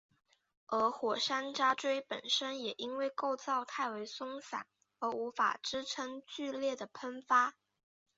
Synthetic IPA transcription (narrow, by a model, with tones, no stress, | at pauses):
ə˧˥xwɔ˨˩ʂa˥nʈ͡ʂa˥ʈ͡ʂwe˥ɪpə˨˩nʂə˥njɛ˨˩ʔi˥nwe˥˧ɪko˥˧ʊt͡sɑ˥˧ʊt̪ʰa˥˩ɪwe˧˥ɪsʊ˥ŋsa̰˨˩˦n | ə˧˥u˧˥fa̰˨˩ʈ͡ʂɻ̩˥ʈ͡ʂʰɤ˥ŋt͡ɕy˥˧ljɛ˥˩d̪ə˩pʰə˥nfa˥